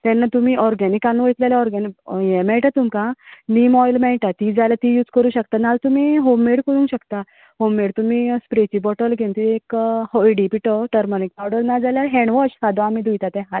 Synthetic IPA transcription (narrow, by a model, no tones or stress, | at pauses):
t̪ɛ̃nːat̪um̤iːʔɔɾɡanikanːʋəjt̪lalaɔɾɡanijɛmɛɭʈat̪umkãniːmɔjlmɛɭʈ̪at̪id͡zaljat̪ijuːd͡zkəɾuːɕəkt̪analt̪umiːɦomːeɽkəɾũːɕəkt̪a | homːeɽt̪umiːspɾet͡ɕibɔʈəlɡʱẽnt̪iekhoiɖipiʈɔʈəɾmɔnik̚pawɽəɾnad͡zaljaɦɛɳʋɔɕsad̪ʱoamid̪ʱujt̪at̪ɛ̃ɦa